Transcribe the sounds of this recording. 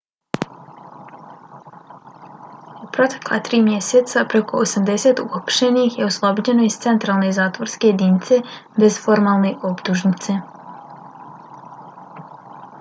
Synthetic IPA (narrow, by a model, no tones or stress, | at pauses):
upɾo̞t̪e̥klˠa̰t̪ɾiːmjeset̪sapɾeko̞osamd̪e̞set̪uxapʃenixjeuslˠobod͡ʑe̞noist̪se̞nt̪ɾaːlˠnezaːt̪ʋoɾskejed̪init̪sebe̞zfo̞ɾmaːlˠneʔopt̪uʒnit̪se